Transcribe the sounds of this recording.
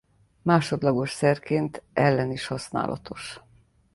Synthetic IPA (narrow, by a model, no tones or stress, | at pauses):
maːʃo̞d̪lɒɡo̞ʃsɛrkeːnt̪ɛlːɛniʃhɒsna̰ːlʔɒ̰t̪ʰo̞ʃ